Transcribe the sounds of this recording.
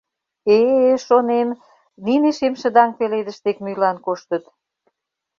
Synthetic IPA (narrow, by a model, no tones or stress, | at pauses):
eʃonem | nineʃemʃə̆d̪ɑŋpeled̪ə̆ʃt̪ekmylɑnkoʃt̪ə̆t̪